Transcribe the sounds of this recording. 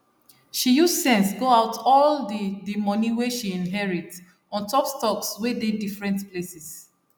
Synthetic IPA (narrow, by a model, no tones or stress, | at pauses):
ʃijussɛ̃nsɡoaʊtɔldidimɔ̃niweʃiĩnɦɛɹit | ɔ̃ntɔpstɔkswededifɹɛ̃ntplesɛs